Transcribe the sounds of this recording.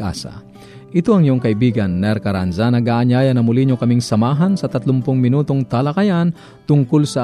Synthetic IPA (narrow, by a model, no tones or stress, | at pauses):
ʔa̰sɐ̰ | ʔɪt̪oʔɐŋɪjoŋkɐʔɪbiːɡɐnːɛɾkɐɾanzɐnɐɡaːʔɐɲaːjɐnɐmʊliɲokɐmiŋsɐmaːɦɐnsɐt̪ɐt̪lʊmpʊŋmɪnuːt̪oŋt̪alɐkɐjan | t̪ʊŋkolsɐ